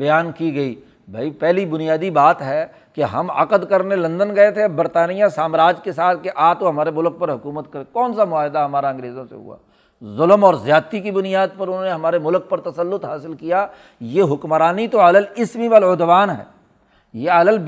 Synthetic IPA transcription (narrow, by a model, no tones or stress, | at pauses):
bɐjaːnkiɡɐi | bʱa̰ːipɛɦlibʊnijaːd̪ibaːt̪ɦɛː | keɦɐ̰mɐ̰qəd̪kɐɾnelɐ̃nd̪ənɡɐet̪ʰebɐɾt̪aːnijãsaːmɾaːd͡ʒkesaːt̪̚ʰkeʔaːt̪oɦɐmaːɾemʊlk̚pɐɾɦʊkuːmət̪kɐɾekɔːnsamʊaːɦɪd̪aɦɐmaːɾaɐ̃ŋɡɾeːzõsḛɦṵa̰ː | zʊləmɔːɾzjaːt̪ikibʊnijaːd̪̚pɐɾʊn̤ɦõːneɦɐmaːɾemʊlk̚pɐɾt̪ɐsəlːʊt̪ɦaːsɪlkija | jeɦʊkmɾaːnit̪oaːləlɪsmiʋalod̪ʋaːnɦɛ̰ː | jeaːləl